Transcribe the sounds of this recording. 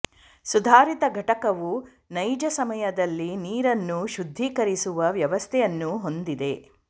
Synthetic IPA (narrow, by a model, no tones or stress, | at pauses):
sud̪ʱaːɾit̪ɐɡʱɐʈɐkɐʋu | nɐjd͡ʒɐsɐmɐjɐd̪ɐlːiniːɾɐnːuʃud̪ʱːiːkɐɾisuʋɐʋjɐʋɐst̪ʰɛjɐnːuɦo̞nd̪id̪e̞